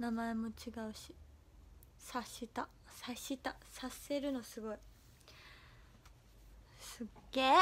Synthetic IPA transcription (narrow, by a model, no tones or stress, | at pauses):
namae̞mo̞t͡ɕiɡaɯ̟ɕi̥ | saɕit̪a | saɕit̪asase̞ɾɯ̟no̞sɨɡo̞i | sɨɡeː